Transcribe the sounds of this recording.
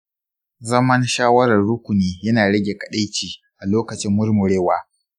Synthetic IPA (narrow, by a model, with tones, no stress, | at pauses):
zɐ˦mɐ˦nʃaː˦wɐ˦ɾɐ˨rɽʊ˦kʷʊ˨niː˦jɐ˦naː˨ɽɐ˦ɡʲe˨kɐ˨ɗa˦jt͡ʃiː˨ʔa˨loː˦kɐ˨t͡ʃɪ˦mːʊ˦rmʊ˨ɽeː˦waː˦